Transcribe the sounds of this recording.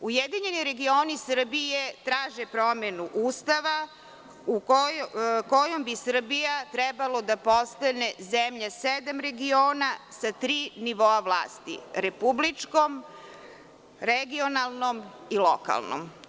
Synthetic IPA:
ujed̪iɲe̞niɾe̞ɡio̞ːnisr̩bije̞t̪ɾaːʒepɾo̞menuʔuːst̪aʋa | u | kojombisr̩bijat̪ɾɛbalo̞d̪apost̪ane̞zemʎased̪amɾe̞ɡio̞ːnasat̪ɾiːniʋoaʋla̰ːst̪ḭɾepublit͡ʂko̞m | ɾeɡio̞nalˠno̞miloka̰lˠno̰m

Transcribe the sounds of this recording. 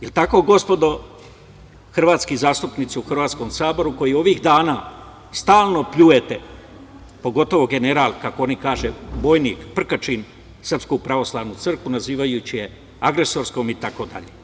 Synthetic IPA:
jelt̪ako̞ːɡo̞spo̞d̪o̞ | xr̩ʋaːt̪skizaːst̪upnit̪siuxr̩ʋaːt̪sko̞msaːboɾuko̞jio̞ʋiːxd̪aːnaː | st̪aːlˠnopʎujet̪e | po̞ɡo̞t̪o̞ʋoɡe̞ne̞ɾaːlˠkakoonikaːʒebo̞ːjniːkpr̩kat͡ʃin | sr̩pskupɾaʋo̞slˠaːʋnut̪sr̩kʋunaziːʋajut͡ɕije̞ | aɡɾeso̞ːɾsko̞ːmit̪ako̞d̪a̰ʎe

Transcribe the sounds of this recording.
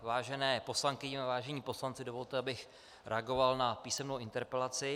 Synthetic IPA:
vaːʒɛnɛːpo̞slaŋkɪɲɪavaːʒɛɲiːpo̞slant͡sɪdo̞vo̞lt̪ɛabɪx | ɾʔɛ̰aɡo̞valnapiːsɛmnowʔɪnt̪ɛɾpɛlat͡sɪ

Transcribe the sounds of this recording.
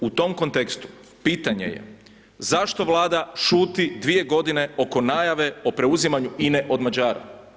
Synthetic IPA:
ut̪o̞mko̞nt̪ekst̪u̥ | piːt̪aɲe̞̰jḛ | zaʃt̪o̞ʋlˠaːd̪aʃuːt̪id̪ʋije̞ɡo̞d̪ine̞o̞ko̞naːjaʋe̞o̞pɾe̞uzimaɲuʔineʔo̞d̪mad͡ʑaːɾa̰

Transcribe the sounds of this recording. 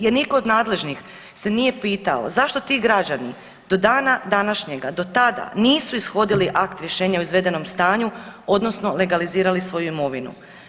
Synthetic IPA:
jeɾniko̞ːd̪naːd̪le̞ʒnix | se̞nije̞piːt̪a̰o̞̰zaʃt̪ot̪iːɡɾad͡ʑani | d̪̥o̞d̪aːnad̪anaʃɲe̞ɡad̪o̞t̪ad̪a̰niːsuisxo̞d̪iliʔakt̪ɾjeʃe̞ːɲaoizʋe̞d̪e̞no̞mst̪aːɲuo̞d̪no̞sno̞le̞ɡaliziːɾalisʋo̞juimo̞ʋinṵ

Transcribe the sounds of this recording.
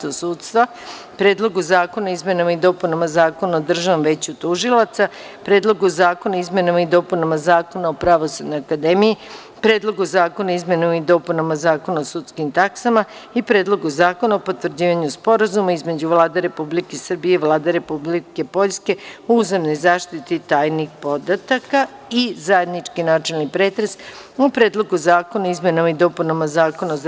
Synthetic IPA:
t̪osuːt̪st̪ʋa | pɾe̞ːd̪lˠo̞ɡuzaːko̞naizme̞namaid̪o̞ːpunamazaːko̞naod̪r̩ʒaʋamʋe̞ːt͡ɕut̪uʒilˠat̪sa | pɾe̞ːd̪lˠo̞ɡuzaːko̞naizmʲe̞namaid̪o̞ːpunamazaːko̞naopɾaʋo̞sud̪no̞jakad̪e̞miji | pɾe̞ːd̪lˠo̞ɡuzaːko̞naizmenamaid̪o̞punamazaːko̞naosut̪skimt̪aksamaipɾeːd̪lˠo̞ɡuzaːko̞naopo̞t̪ʋr̩d͡ʑiːʋaɲuspo̞ɾazumaizme̞d͡ʑuʋlˠaːd̪eɾe̞publikeisrbije̞iʋlˠaːd̪eɾe̞publike̞po̞ʎʲske̞ouzemno̞jzaːʃt̪it̪it̪aːjnixpo̞d̪at̪aka | izaje̞d̪nit͡ʃkinaːt͡ʃelnipɾe̞ːt̪ɾes | upɾe̞ːd̪lˠo̞ɡuzaːko̞naizmenomid̪o̞ːpunamazaːko̞na

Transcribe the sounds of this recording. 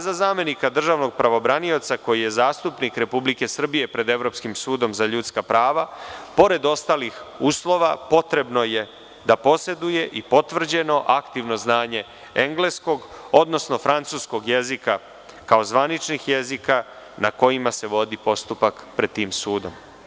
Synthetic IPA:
zazaːme̞nikad̪r̩ʒaʋno̞ɡ̚pɾaʋo̞bɾanio̞t̪sako̞jije̞zaːst̪upnikɾe̞publike̞sr̩bije̞pɾe̞d̪e̞ʋɾo̞pskimsuːd̪o̞mzaʎut̪skapɾaːʋapo̞ɾe̞d̪o̞st̪aːlixuːslˠo̞ʋapo̞t̪ɾe̞bno̞je̞ | d̪apo̞se̞d̪uje̞ʔipo̞t̪ʋr̩d͡ʑe̞no̞ʔakt̪iʋno̞znaːɲe̞ | eŋɡle̞sko̞ɡo̞d̪no̞sno̞fɾant̪suːsko̞ɡjezika | kao̞zʋanit͡ʃnixjezika | nako̞imase̞ʋo̞d̪ipo̞st̪upakpɾe̞d̪̚t̪ːiːmsuːd̪o̞̰m

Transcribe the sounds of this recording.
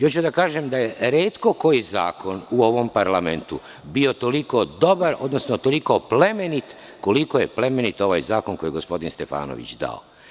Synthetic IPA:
jot͡ɕud̪akaːʒemd̪ajeɾe̞ːt̪ko̞ko̞jiza̰ːkonuo̞ʋo̞mpaɾlame̞nt̪u | bio̞t̪o̞likod̪o̞baɾod̪no̞snot̪o̞likople̞menit̪ | kolikojeple̞menit̪o̞ʋa̰jzaːkonko̞jeɡospo̞d̪inst̪e̞fa̰ːno̰ʋḭt͡ɕd̪a̰o̰

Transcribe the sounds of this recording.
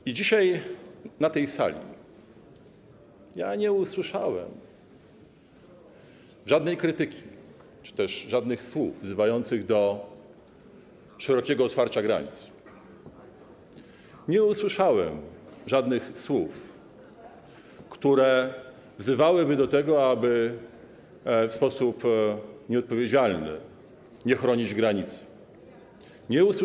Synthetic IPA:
id͡ʑiɕajnat̪ɛjsa̰lʲḭ | ja̰ɲɛuswɘʂawɛ̰m | ʐad̪nɛjkɾɘt̪ɘkʲi | t͡ʂɘ̥t̪ɛʂʐad̪nɘxswuvvzɘvajɔnt̪sɘɣd̪ɔ | ʂɛɾɔkʲɛɡɔːt̪faɾt͡ɕaɡɾa̰ɲḭt̪s | ɲɛuswɘʂawɛ̰mʐad̪nɘxswuf | kt̪uɾɛ | vzɘvawɘbɘd̪ɔt̪ɛɡɔabɘ | fspɔsupɲɛɔt̪̚pɔvʲjed͡ʑalnɘ̰ | ɲɛxɾɔɲid͡ʑɡɾaɲit̪sɛ̥ | ɲɛus

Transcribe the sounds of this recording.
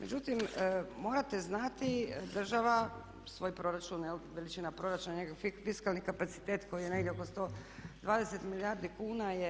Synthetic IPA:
med͡ʒut̪immo̞ːɾat̪eznat̪id̪r̩ʒaʋa | sʋo̞ːjpɾo̞ɾat͡ʃunjelʋelit͡ʃinapɾo̞ɾat͡ʃunaɲekoifiskalˠnikapat̪si̥t̪eːt̪ko̞jijene̞ɡdʲjeoko̞st̪o̞ːd̪ʋaːd̪e̞set̪milijaɾd̪ikuːnaje

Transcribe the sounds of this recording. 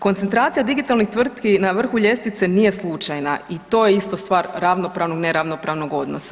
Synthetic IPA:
ko̞nt̪ent̪ɾaːt̪sijad̪iɡit̪alˠnixt̪ʋr̩t̪kinaʋr̩xuʎe̞st̪it̪senije̞slˠut͡ʃajnait̪o̞ːjeist̪o̞st̪ʋaːɾɾaʋno̞pɾaːʋnoɡneɾaʋno̞pɾaːʋno̞ɡo̞d̪nosḁ

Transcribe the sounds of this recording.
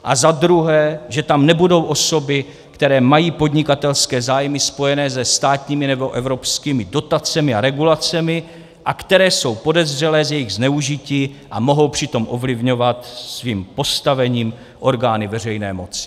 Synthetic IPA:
ʔazad̪ɾuɦɛːʒɛt̪amnɛbudo̞wʔo̞so̞bɪ | kt̪ɛɾɛːmajiːpo̞dɲɪkat̪ɛlskɛːzaːjmɪspo̞jɛnɛːzɛst̪aːt̪ɲiːmɪnɛbo̞ʔɛvɾo̞pskiːmɪdo̞t̪at͡sɛmɪaɾɛɡulat͡sɛmɪ | ʔakt̪ɛɾɛːso̞wpo̞dɛzr̝ɛlɛːzjɛjɪɣznɛuʒɪciːʔamo̞ɦo̞wpr̝̥ɪt̪o̞mʔo̞vlɪvɲo̞vat̪sviːmpo̞st̪avɛɲiːm | ʔo̞ɾɡaːnɪvɛr̝ɛjnɛ̰ːmo̞t͡sɪ̥

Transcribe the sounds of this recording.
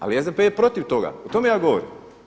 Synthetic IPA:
a̰liezd̪epejepɾo̞t̪iʋt̪o̞ɡa̰ot̪o̞me̞jaːɡo̞ʋo̰ɾḭm

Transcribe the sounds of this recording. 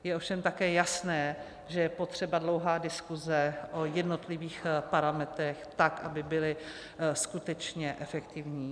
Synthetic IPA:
jɛʔo̞fʃɛmt̪akɛːjasnɛː | ʒɛjɛpo̞t̪r̝̥ɛbadlo̞wɦaːdɪskuzɛʔojɛdno̞t̪lɪviːxpaɾamɛt̪ɾɛxt̪akʔabɪbɪlɪ | skut̪ɛt͡ʃɲɛʔɛfɛkt̪ɪvɲiː

